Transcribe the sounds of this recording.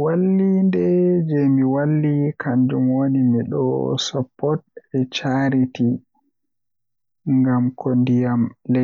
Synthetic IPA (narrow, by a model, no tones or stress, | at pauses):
walːindɛd͡ʒɛmiwalːikʰaɲd͡ʒumwonimiɗɔ̰sɔpːɔt̚ɛt͡ʃaɾiti | ŋɡamkʰondijamlɛ